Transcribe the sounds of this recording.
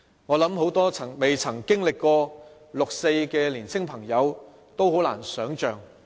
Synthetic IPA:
ŋɔː˨˧lɐ˨˥mho˨˥wt̪ɔː˥t͡sʰɐ˨˩ŋme˨jt͡sʰɐ˨˩ŋkɪ˥ŋlɪ˨kːɔː˧ | lʊ˨k̚se˧jkɛː˧liː˨˩nsʰɪ˥ŋpʰɐ˨˩ŋjɐ˨˧w | t̪o˥who˨˥wla̰ː˨˩nsœː˨˥ŋt͡ʃœː˨ŋ

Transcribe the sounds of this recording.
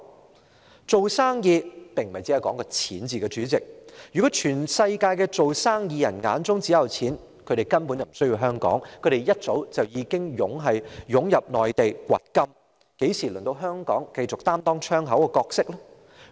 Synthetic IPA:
t͡so˨wsaː˥ŋjiː˧pɪ˨˩ŋm̩˨ɐ˨jt͡si˧˨˥ɐ˨jkɔː˨˥ŋkɔː˧t͡sʰiː˨˥nt͡siː˨kɛː˧t͡syː˨˥t͡sɪ˨k̚jy˨kɔː˨˥t͡ʃʰyː˨˩nsɐ˧jkaː˧jkɛ˧t͡so˨wsaː˥ŋjiː˧jɐ˨˩nŋa̰ː˨˧nt͡sʊ˥ŋt͡si˨˥jɐ˨˩wt͡sʰiː˨˥n | kʰɵ˨˧ɾe˨jkɐ˥npu˨˥nt͡sɐ˨˩m̩˨˩sɵ˥jiː˧wɦœː˥ŋkɔ̰ː˨˥ŋkʰɵ˨˧˥t̪e˨˩jjɐ˥t̚t͡so˨˥wt͡sɐ˨wjiː˨˧kɪ˥ŋjʊ˨˥ŋɦɐ˨jjʊ˨˥ŋjɐ˨p̚nɔː˨jt̪e˨jkʷɐ̰˨˩t̚kɐ˥m | ke˨˥jsiː˨˩lɵ˨˩ŋt̪o˧wɦœː˥ŋkɔ̰ː˨˥ŋkɐ˧jt͡sʊ˨k̚t̪aː˥mt̪ɔː˥ŋt͡ʃʰœː˥ŋɦɐ˨˥wɛ˧kɔː˧k̚sɪ˥k̚lɔ˥

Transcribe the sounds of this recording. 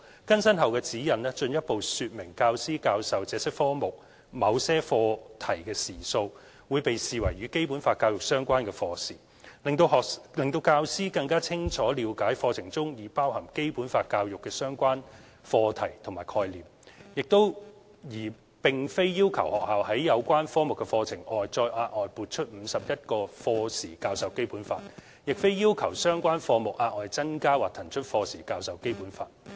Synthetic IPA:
kɐ˥nsɐ˥nɦɐ˨wkɛː˧t͡siː˨˥jɐ˨˩nlɛː˥t͡ʃɵ˧njɐ˥t̚po˨wsyː˨˧t̚mɪ˨˩ŋkaː˧wsiː˥kaː˧wsɐ˨wt͡sɛː˨˧sɪ˥k̚fɔː˥mʊ˨˩k̚ | mɐ˨˧wsɛː˥fɔː˧t̪ʰɐ˨˩jkɛː˧siː˨˩so˧w | wuː˨˧jpe˨jsiː˨wɐ̰˨˩jɥyː˨˦ke˥jpuː˨˥nfaː˧t̚kːaː˧wjʊ˨k̚sœː˥ŋkʷaː˥nkɛː˧fɔː˧siː˨˩ | lɪ˨ŋt̪o˧wɦɔː˨lɪ˨ŋt̪o˧wkaː˧wsiː˥kɐ˧ŋkaː˥t͡sʰɪ˥ŋt͡ʃʰɔː˨˥liː˨˧wkaː˨˥jfɔː˧t͡sʰɪ˨˩ŋt͡sʊ˥ŋjiː˨˩paː˥whɐ˨˩ŋke˥jpuː˨˥nfaː˧t̚kːaː˧wjʊ˨kːɛː˧sœː˥ŋkʷaː˥n | fɔː˧t̪ʰɐ˨˩jt̪ʰʊ˨˩ŋmaː˨˩jkʰɔː˧jliː˨mjɪ˨k̚t̪o˥w | jiː˨˩ | pɪ˨ŋfe˥jːiː˥wkʰɐ̰˨˩whɔː˨k̚haː˨˩whɐ˨˥jjɐ˨˧wkʷaː˥nfɔː˥mʊ˨˩kːɛ˧fɔː˧t͡sʰɪ˨˩ŋɔː˨jt͡sɔː˧jʔaː˧t̚ʔɔː˨jpuː˨t̚t͡ʃʰɵ˥t̚m̩˨˧sɐ˨p̚jɐ˥t̚kɔː˧fɔː˧siː˨˩kaː˧wsɐ˨wke˥jpuː˨˥nfa̰ː˧t̚ | jɪ˨k̚fe˥jiː˥wkʰɐ˨˩wsœː˥ŋkʷaː˥nfɔː˧mʊ˨k̚ʔaː˧t̚ʔɔː˨˩jt͡sɐ˥nkaː˥waː˨˩t̪ʰɐ˨˩nt͡ʃʰɵ˥t̚fɔː˧siː˨˩kaː˧wsɐ˨˧wke˥jpuː˨˥nfa̰ː˧t̚

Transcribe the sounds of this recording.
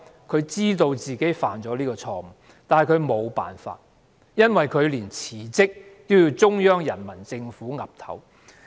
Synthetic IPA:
kʰɵ˨˧ɥt͡siː˥t̪o˧wt͡siː˨ke˨˥jfaː˨˩nt͡ʃɔː˨˥liː˥kɔː˧t͡sʰɔː˧m̩˨˩ | t̪aː˨nhɐ˨˩kʰɵ˨˧ɥmo˨˧wpa̰ː˨˩nfa̰ː˧t̚ | jɐ˥nwɐ˨jkʰɵ˨˧ɥliː˨˩nt͡sʰiː˨˩t͡sɪ˥k̚t̪o˥wji˧wt͡sʊ˥ŋjœː˥ŋjɐ˨˩nmɐ˨˩nt͡sɪ˧ŋfuː˨˥ŋɐ˨p̚t̪ʰɐ˨˥w

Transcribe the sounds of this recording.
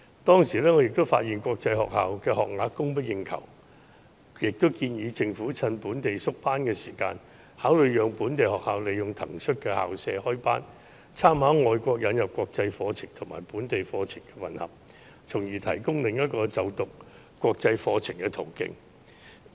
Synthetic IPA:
t̪ɔː˥ŋsiː˨˩lɛː˥ŋɔː˨˧jɪ˨k̚t̪ʊ˥wfa̰ː˧t̚jiː˨nkʷɔː˧k̚t͡sɐ˧jhɔ̰ː˨k̚haː˨wkɛː˧hɔː˨k̚laː˨˥kkːʊ˥ŋpɐ˥t̚jɪ˨˧ŋkʰɐ̰˨˩w | jɪ˨k̚t̪ʊ˥wkiː˧njiː˨˧t͡sɪ˧ŋfuː˨˥t͡sʰɐ˧npuː˨˥nt̪e˨jsʊ˥k̚paː˥nkɛː˧siː˨˩ka̰ː˧n | haː˨˥wlɵ˨ɥjœː˨˧ŋpuː˨˥nt̪e˨jhɔː˨k̚haː˨wle˨jːʊ˨ŋt̪ʰɐ̰˨˩ŋsʰɵ˥t̚kɛː˧ha̰ː˨wsɛː˧hɔː˥jpaː˥n | t͡sʰaː˥mhaː˨˥ŋɔː˨˧jkʷɔː˧k̚jɐ˨˧njɐ˨˩p̚kʷɔː˧k̚t͡sɐ˧jfɔː˧t͡sʰɪ˨˩ŋt̪ʰʊ˨˩ma̰ː˨˩jpuː˨˥nt̪e˨jfɔː˧t͡sʰɪ˨˩ŋkɛː˧wɐ̰˨˩nhɐ̰˨˩p̚ | t͡sʰʊ˨˩ŋjiː˨˩t̪ʰɐ̰˨˩jkʊ˥ŋlɪ˨ŋjɐ˥t̚kɔː˧t͡sɐ˨˧wt̪ʊ˨k̚ | kʷːwɔː˧k̚t͡sɐ˧jfɔː˧t͡sʰɪ˨˩ŋkɛ˧t̪ʰo˨˩wkɪ̰˧ŋ

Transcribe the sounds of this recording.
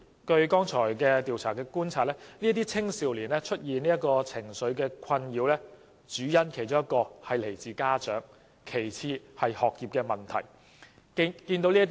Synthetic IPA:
kɵ˧ɥkɔː˥ŋt͡sʰɔː˨˩jkɛː˧t̪iː˨wt͡sʰaː˨˩kɛː˧kuː˥nt͡sʰaː˧˩t̚lɛː˥ni˥t̪̬iː˥t͡sʰɪ˥ŋsiː˨wliː˨˩nlɛː˥t͡ʃʰɵ˥t̚jiː˨niː˥jɐ˥t̚kɔː˧t͡sʰɪ˨˩ŋsɵ˨˧ɥkɛː˧kʰɐ˧njiː˨˧wlɛː˥ | t͡ʃyː˨˥jɐ˥nkʰe˨˩jt͡ʃʊ˥ŋjɐ˥t̚kːɔː˧hɐ˨jle˨˩jt͡siː˨kaː˥t͡ʃœː˨˥ŋ | kʰe˨˩jt͡sʰiː˧hɐ˨jhɔː˨k̚jiː˨p̚kɛː˧mɐ˨nt̪ʰɐ̰˨˩j | kiː˧nt̪o˨˧wliː˥t

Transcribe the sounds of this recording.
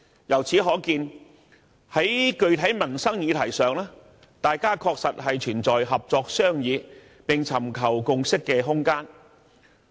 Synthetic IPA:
jɐ˨˩wt͡sʰiː˨˥ɦɔː˨˥kiː˧n | hɐ˨˥jkɵ˧ɥt̪ʰɐ˨˥jmɐ˨˩nsɐ˥ŋjiː˨˧t̪ʰɐ˨˩jsœː˨ŋlaː˥ | t̪aː˨jkaː˥kʰɔː˧k̚sɐ˨t̚ɦɐ˨jt͡ʃʰyː˨˩nt͡sɔː˨jɦɐ˨p̚t͡sɔː˧k̚sœː˥ŋjiː˨˧ | pɪ˨ŋt͡sʰɐ˨˩mkʰɐ˨˩wkʊ˨˧ŋsɪ˥kːɛː˧ɦʊ˥ŋkaː˥n

